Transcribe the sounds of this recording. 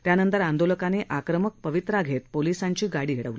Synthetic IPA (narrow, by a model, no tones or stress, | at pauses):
t̪janənt̪əɾand̪oləkaneʔakɾəmək̚pəʋit̪ɾaɡʱet̪̚polisaɲt͡ɕiːɡaɽiːɦeɽəʋli